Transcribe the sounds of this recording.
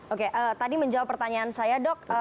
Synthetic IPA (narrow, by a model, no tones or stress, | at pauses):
okeʔət̪adiməɲd͡ʒawapːərt̪aɲaːnsajadɔk̚ə